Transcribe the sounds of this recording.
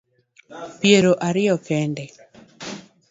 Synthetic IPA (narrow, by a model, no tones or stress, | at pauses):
pjeɾoʔaɾɪjɔkɛndɛ